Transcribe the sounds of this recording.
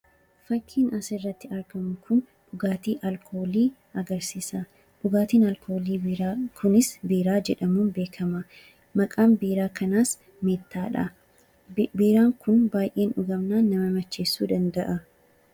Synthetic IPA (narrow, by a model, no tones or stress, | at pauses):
fɐkʰːiːnɐsɪrːɐt̪ːɪɐɾɡɐmʊkʰʊn | ᶑʊɡaːt̪iːʔɐlkʰoːliː | ɐɡɐɾsiːsɐ | ᶑʊɡaːt̪iːnɐlkoːliːkʰʊnɪsbiːɾaːd͡ʒɛᶑɐmuːnbe̞ːkʰɐmɐ | mɐkʼaːmbiːɾaːkɐnaːs | meːt̪ːaːᶑɐ̰ | biːɾaːŋkʊnbaːjʔe̞ːnᶑʊɡɐmnaːnːɐmɐmɐt͡ʃːe̞ːsːuːd̪ɐnd̪ɐʔɐ